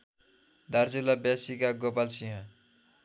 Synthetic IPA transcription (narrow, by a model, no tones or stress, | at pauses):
d̪ard͡zilabjasikaɡopalsiɦã